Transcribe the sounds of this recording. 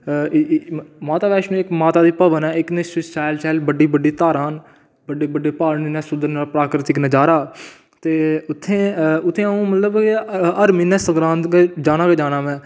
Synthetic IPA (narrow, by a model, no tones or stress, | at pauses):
maːt̪aːbɛːʃnũːɪkmaːt̪aːd̪iːpəʋənɛːɪknɪsɪt͡ʃaːɪlt͡ʃɛːlbəɖiːbəɖiːt̪aːɾaːn | bəɖeːbəɖeːpaːɾɳiːnɛ̃ːsʊnd̪əɾnaːlpɾaːkɾɪt̪ɪknəd͡ʒaːɾaː | t̪eːʊt̪ʰːẽːʊt̪ʰːẽːəũːmət̪ləbəɾmiːnɛ̃ːsəŋɡɾãːnt̪ked͡ʒaːnaːkeːd͡ʒaːnaːmɛ̃ː